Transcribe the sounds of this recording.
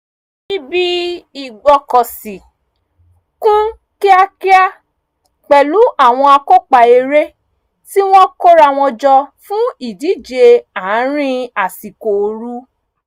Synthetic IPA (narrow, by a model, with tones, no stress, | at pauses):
i˦bi˦i˨ɡ͡bɔ˧kɔ˨si˨ | kũ˦ | ki˦a˧ki˦a˦ | k͡pɛ˨lu˨˦ʔa˦˨w̃ɔ̃˧a˧ko˦k͡pa˨e˧ɾe˦ | ti˦w̃ɔ̃˦ko˦ɾa˧˨w̃ɔ̃˧d͡ʒɔ˧fũ˦i˦˨di˨˦˨d͡ʒe˧ã˨˦ɾ̃ĩ˦a˨si˨ko˨˧ɾu˦